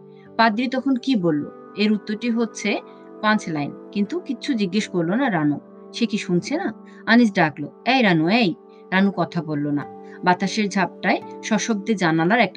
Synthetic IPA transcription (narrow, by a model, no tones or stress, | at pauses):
pad̪ɾit̪ɔkʰonkibolːo̰ | eɾut̪ːoɾʈiɦotːɕʰe | pant͡ɕʰlajnkint̪ukiːɕʰud͡ʑiɡːeʃkoɾlonaɾano | ʃekiʃunt͡ɕʰena | anid͡ʑɖakloɛjɾanuɛj | ɾanukɔt̪ʰabolːona̰bat̪aʃeɾd͡ʑʱab̚ʈaeʃɔʃob̚d̪ed͡ʑanalaɾɛk̚ʈa